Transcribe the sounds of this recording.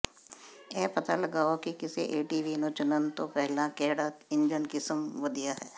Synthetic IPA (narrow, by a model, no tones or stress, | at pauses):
ɛːpɐt̪a̰lɐɡaːokikɪsḛʔeːʈiːʋiːnot͡ʃʊnənt̪opɛɦlãkɛːɽaːt̪ɪ̃nd͡ʒənkɪsəmʋɐd̪ijaɦɛː